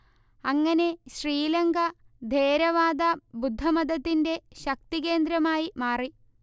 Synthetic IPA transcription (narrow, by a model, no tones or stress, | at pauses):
ɐŋːɐne̞ɕriːlɐŋɡʱɐ | d̪ʱeːɾɐʋaːd̪ɐbud̪ʱːɐmɐd̪ʱɐt̪ːinde̞ɕɐk̚t̪ike̞ːnd̪ɾɐmaːjimaːri